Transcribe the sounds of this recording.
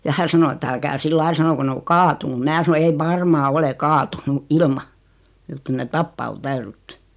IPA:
jɑ hæ sɑno et ælkæː silːɑil sɑnoko ne o kɑːtunu mĭnæː sɑno ei ʋɑrmɑː ole kɑːtunu ilmɑ jot kyl net tɑpːɑː o tæyrytːy

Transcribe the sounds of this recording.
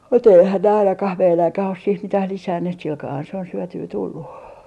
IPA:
mut eihæn ne ɑinɑkɑh meilæŋkæh os siːh mitæh lisænːeːt silkɑːhɑn se on syøtyː tulːu

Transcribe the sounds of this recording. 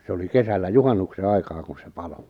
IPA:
se oli kesælːæ juhɑnːukse ɑikɑː kun̞ se pɑlo

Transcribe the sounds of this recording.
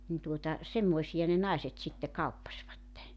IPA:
nin tuotɑ semːoisijɑ ne nɑˑeset sitːe kɑupːɑsʋɑtːe

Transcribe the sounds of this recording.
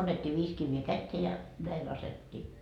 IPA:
ɑnːetʲːiː ʋiːs kiʋːeː kætːeː jɑ næi lɑsetːiː

